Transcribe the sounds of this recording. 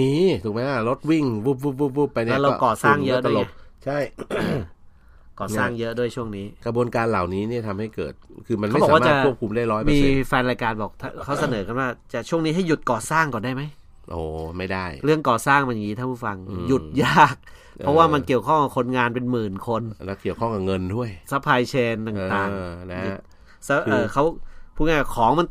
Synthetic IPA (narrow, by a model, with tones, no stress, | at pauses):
iː˧˥˩t̪ʰu˨˩k̚ma˦˥˧lo˦˥t̪̚wi˥˩ŋwuː˦˥˩p̚ɾuː˥˩p̚uː˥˩p̚uː˥˩pːa˧jnlɛː˦˥wɾa˧kɔː˨˩saː˥˩ŋjɤ˦˧˥ʔdu˥˩˨t͡ɕʰa˥˩j | kɔː˨˩saː˥˩ŋjɤ˦˥ʔdu˥˩əjt͡ɕʰu˥˩əŋniː˦˥kɾa˧bu˧ənkaː˧nla˨˩wniː˦˥ni˥˩ɐt̪ʰa˧mha˥˩jkɤ̰ː˨˩t̪̚kʰɯː˧ma˧nʰa˦˥˨bɔː˨aː˨waː˥˦aː˧˨˥a˨˥˩ku˥˩əp̚kʰu˧mdaː˥˩jɾɔː˦˥jmaiː˧fɛː˧nɾaː˧jkaː˧nbɔː˨˩k̚t̪ʰa˥˩kʰa˦˥wsa˧nɤː˩˦ka˧nwaː˥˩t͡ɕa˨˩t͡ɕʰu˥˩əŋniː˦˥ɦa˥˩jːu˨˩t̪̚kɔː˨˩saː˥˩ŋkɔː˨˩ndaː˥˩jma˦˥j | ʔoː˨˩ma˥˩jda˥˩jɾɯ˥˩əŋkɔː˨˩saː˥˩ŋma˧nja˨˩ŋːiː˦˥a˥˩pʰuː˥˩fa˧ŋju˨˩t̪̚jaː˥˩k̚ | pʰɔ˦˥waː˥˩ma˧nki˨˩əwkʰɔ˥˩ŋkɔa˨˩kʰo˧nŋaː˧npe˧nmɯː˨˩nkʰo˧nlɛ˦˥ki˨˩əwkʰɔ˥˩ŋka˨˩ŋɤ˧ndʰu˥˩əjsa˦˥pʰaː˧jt͡ɕʰeː˧nt̪aː˨˩t̪aː˨˩lɛ˦u˨˩ | sa˧˥ʔːkʰa˦˥wpʰuː˥˩nia˥˩kkʰɔː˩˦ŋma˧n